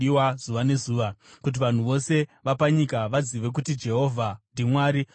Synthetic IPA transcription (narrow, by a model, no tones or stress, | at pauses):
iwaz̥uʋane̞zuːʋakut̬iʋan̤uʋo̞se̞ʋapaɲikaʋaziʋe̞k̬utid͡ʒe̞ɦo̞vʱandʱimwaːɾi